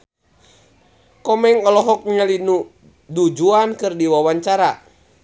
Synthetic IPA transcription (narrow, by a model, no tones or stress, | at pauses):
kɔmɛŋɔlɔɦɔk̚ɲəlinu | dud͡ʒuankɨrdiwawaɲt͡ʃaɾa